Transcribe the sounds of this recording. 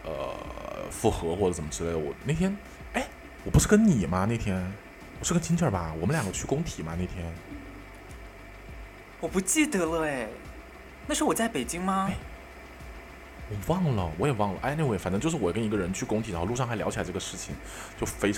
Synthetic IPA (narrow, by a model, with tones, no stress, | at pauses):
ə̰˧fu˥˩xɤ˧˥xwɔ˥˩ʈ͡ʂə˩ʈ͡ʂə˨˩mə˦ʈ͡ʂɻ̩˥le˥˩ɪd̪ə˩wɔ̰˨˩n˥˩t̪ʰjɛ˥n | e˥˩ɪ | wɔ˨˩pu˧˥ʂɻ̩˥˩kə˥nni˨˩mɐ˧ne˥˩ɪt̪ʰjɛ˥n | wɔ˨˩ʂɻ̩˥˩kə˥nt͡ɕʰi˥nt͡ɕʰə˞˥˩bɐ˨˩wɔ˨˩mə˦ljɑ˨˩ɡə˦t͡ɕʰy˥˩kʊ˥ŋt̪ʰi˨˩˦ma˦ne˥˩ɪt̪ʰjɛ˥n | wɔ˨˩pu˧˥t͡ɕi˥˩d̪ə˩lə˧˩ | na˥˩ʂɻ̩˧˥wɔ˨˩t͡sa˥˩ɪpe˨˩ɪt͡ɕi˥ŋma˧˥˩ | wɔ˨˩wɑ˥˩ŋlə˩wɔ˧˥jɛ˨˩wɑ˥˩ŋlə̰˩ʔa̰˥˧na˥˧˩wfa˨˩nʈ͡ʂɤ˥ŋt͡ɕjʊʂɻ̩˥˩wɔ˨˩kə˥ni˧˥ɡə˧ɻə˧˥nt͡ɕʰy˥˩kʊ˥ŋt̪ʰɻxlu˥˧ʂɑ˥˩xljɑ˧˥ʊt͡ɕʰi˨˩a˧˥ʈ͡ʂɤ˥˩ə˩˧ʂɻ̩˥˩t͡ɕʰi˨˩ŋ | t͡ɕjo˥˩ʊfe˥ɪ